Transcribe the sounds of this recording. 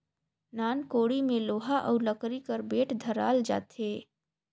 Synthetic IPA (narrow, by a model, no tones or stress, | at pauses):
naːnkoːɽimẽloːɦaʔɔ̰ːɾləkɾikəɾbeːʈd̪ʱɐɾa̰ːld͡ʒa̰ːt̪eː